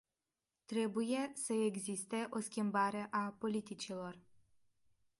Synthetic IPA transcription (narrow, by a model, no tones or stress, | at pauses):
t̪ɾe̞buje̞səeɡzist̪e̞ʔo̞skʲimbaɾe̞ʔapo̞lit̪it͡ʃilo̞r